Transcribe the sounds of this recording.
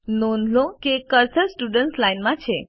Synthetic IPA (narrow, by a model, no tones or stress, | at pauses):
nonʱlokekəɾsəɾsʈuɖəɳʈslainmãt͡ɕʰe